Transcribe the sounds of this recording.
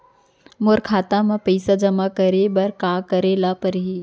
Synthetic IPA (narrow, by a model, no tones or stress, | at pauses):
moɾkʰaːt̪amãpəɪsad͡ʒɐmakɐɾebɐɾkaːkɐɾeːlapɐɾɦiː